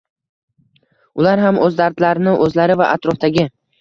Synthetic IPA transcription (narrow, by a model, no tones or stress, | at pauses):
ʊlaɾɦamʔɵzd̪aɾd̪laɾɪnɪʔɵzlaɾɪvaʔa̰t̪ɾɒft̪aɡʲɪ